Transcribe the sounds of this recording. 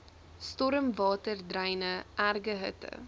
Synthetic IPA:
stɔɾəmvɑːtərdrɐjnəʔærɡəɦətə̰

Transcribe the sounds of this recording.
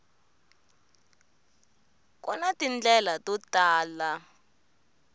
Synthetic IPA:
kʼɔnatind͡ɮɛlatutʼaːla

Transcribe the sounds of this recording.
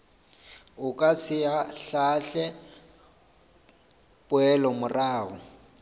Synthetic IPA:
ʊkʼasɪaɬaɬɛ | pʼʊɛlɔmʊraːɣɔ

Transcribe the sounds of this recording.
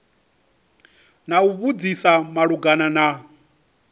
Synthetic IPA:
nauβud͡zisamaɺuɡanana

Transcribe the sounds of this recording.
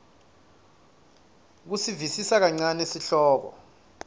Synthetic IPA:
k̬usivisisak̬aŋ͡ǀanesiɬɔːɓɔ̰

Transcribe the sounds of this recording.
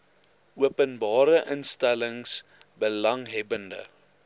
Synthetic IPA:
ʔuəpənbɑːɾəʔənstæləŋsbəlɐŋɦɛbəndə̰

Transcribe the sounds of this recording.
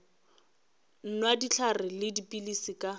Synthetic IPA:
n̩nwadit͡ɬʰarɪlɪdipʼilisikʼa

